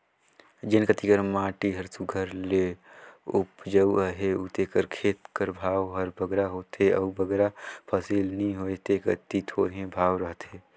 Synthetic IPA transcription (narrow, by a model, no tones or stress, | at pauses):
d͡ʒenkət̪ikəɾmãːʈiɦəɾsuɡʱəɾle | ʊpd͡ʒəuəɦeut̪ekəɾkʰeːt̪kəɾbʱaːwɦəɾbʱəɡɾaɦoːt̪eəubʱəɡeɾapʰəsiːlnəĩɦot̪ekət̪it̪ʰoːɾɦẽbʱaːwɾəɦt̪eː